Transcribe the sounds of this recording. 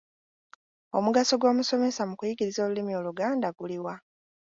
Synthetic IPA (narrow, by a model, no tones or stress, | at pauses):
o̞muɡaso̞ɡwo̞ːmuso̞me̞samukujiɡiɾizo̞ːlulimio̞ːluɡaːndaɡuliwa